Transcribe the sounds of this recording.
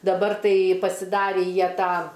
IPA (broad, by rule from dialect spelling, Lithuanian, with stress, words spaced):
dɐˈbɐr ˈtɐɪ pɐsʲɪˈdɑːrʲiː ˈjiɛ ˈtɑː